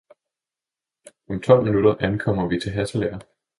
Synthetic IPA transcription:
ɒ̽mt͡sʰɒ̽l̰minud̥ɐʔænkʰɒ̽m̰ɐʋit͡sʰe̝lɦæsleɐ

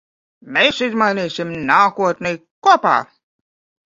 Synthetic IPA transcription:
mesizmajniːsimnaːkuɔt̪nʲɛjkuɔpa̰ː

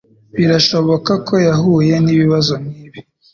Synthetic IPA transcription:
βiɾaʃo̞βo̞kakʰo̞jahuːje̞niβiβazo̞nniːβi

